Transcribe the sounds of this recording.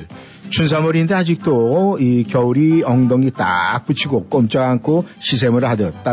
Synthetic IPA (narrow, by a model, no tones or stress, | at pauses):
t͡ɕuns̬ʰamuɾindead͡ʑik̚t͈oikjʌuɾiʌŋdʌŋit͈a̰k̚p͈ut͡ɕʰiɡok͈ʌmt͡ɕ͈aɡaŋkʰoɕʰis̬ʰemɯɭɦadʌt̚t͈a